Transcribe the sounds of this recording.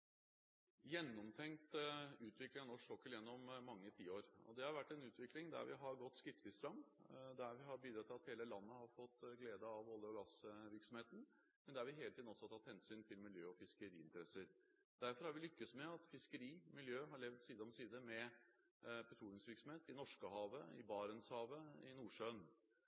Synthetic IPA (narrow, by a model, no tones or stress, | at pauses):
jɛnːɔmt̪ʰɛŋt̪ʉːt̪ʰʋɪklɪŋɑnɔʂɔkːəljɛnːɔmːɑŋːət̪ʰiːəoːɾɔ̰d̪ɛhɑɾʋæʈːɛnʉːt̪ʰʋɪklɪŋd̪æ̰ɾʋɪɦɑɾɡɔt̪ːskɪt̪ːʋɪst̪ɾɑmd̪æɾʋɪɦɑɾbiːd̪ɾɑt̪ʰːɪlɑt̪heːləlɑnːəhɑɾfɔt̪ːɡleːd̪əɑʋɔlːəɔɡɑsʋɪɾksɔmheːt̪n̩ | mɛnd̪ɛɑɾʋɪɦeːlət̪iːd̪nɔsːɔt̪ʰɑt̪ːhɛnsyːnt̪ʰɪlmɪljøːɔfɪskəɾiːɪ̰nt̪əɾɛsəɾ | d̪æɾfɔɾhɑɾʋɪlʏkːəsmɛɑt̪fɪskəɾiːmɪljøːɦɑɾɭɛʋd̪siːd̪əɔmsiːd̪əmɛ | pʰɛt̪ʰɾuːnɪŋsʋɪɾksɔmeːt̪ɪnɔʂkəɦɑːʋəɪ̰bɑːɾənshɑːʋəɪnuːʂøːn